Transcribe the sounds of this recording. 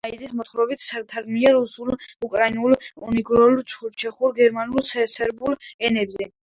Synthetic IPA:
izismɔt̪ʰχɾɔbit̪ʰsaɾt̪ʰaɾɡmiaɾusulukʼɾainulˠuniɡɾɔlt͡ʃʰuɾt͡ʃʰɛχuɾɡɛɾmanulssɛɾbulɛnɛbzɛ

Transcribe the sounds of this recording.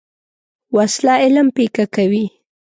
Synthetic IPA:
waslɑɪlmpekakawi

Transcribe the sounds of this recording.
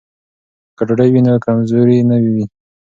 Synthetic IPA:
kaʈɽajwinokamzoɾinəwiwi

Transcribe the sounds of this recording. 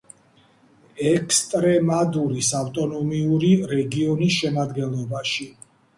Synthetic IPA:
ɛkʰst̪ʼɾɛmad̪uɾisaft̪ʼɔnɔmiuɾiɾɛɡiɔnisʃɛmad̪ɡɛnlˠɔbaʃi

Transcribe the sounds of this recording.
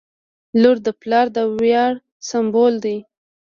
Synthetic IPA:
luɾd̪əplɑɾd̪əwjɑɽ | sambold̪ij

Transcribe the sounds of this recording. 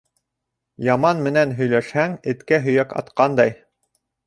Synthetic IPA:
jɑmɑnmɘ̆nænɦɵ̆jlæʃhæŋɘ̆t̪kæɦɵ̆jækɑ̰t̪qɑnd̪ɑj

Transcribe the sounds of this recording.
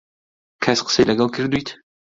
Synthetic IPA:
kʰɐsqə̥sejlɐɡɐlˠkʰɨɾd̪ujt̪

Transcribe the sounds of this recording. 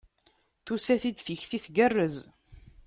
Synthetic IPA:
θusæθid̪θəçθiθɡərːəz

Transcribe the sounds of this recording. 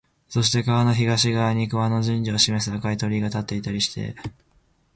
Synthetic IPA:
so̞ɕ̬i̥t̪e̞kaβano̞çiɡaɕiɡaːɲ̟ikɯβano̞ʑɨ̃ɲ̟d͡ʑio̞ɕime̞s̬ɨakait̪o̞ɾʲiːɡat̪at̪ːe̞it̪aɾʲiɕi̥t̪e̞̰

